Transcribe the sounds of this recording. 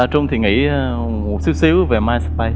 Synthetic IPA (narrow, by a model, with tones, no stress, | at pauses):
aː˨˩t͡ɕʊ˧ŋ͡mt̪ʰi˨˩ŋḭ˧˥˧ | mu˨˩si˨˦wsi˨˦wve˨˩maː˧js̚ɓa˧j